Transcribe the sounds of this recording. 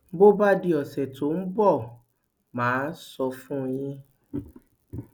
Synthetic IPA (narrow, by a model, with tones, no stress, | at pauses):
bo˦ba˦di˧ɔ˨sɛ˨to˨˦n̩˦bɔ˦˨ | mãː˨˦sɔ˧fũ˦˧j̃ĩ˧